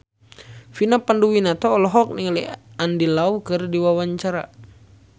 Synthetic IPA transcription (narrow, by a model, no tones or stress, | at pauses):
finapanduwinat̪ɔːlɔɦɔk̚niŋaliandilaukɨrdiwawaɲt͡ʃaɾa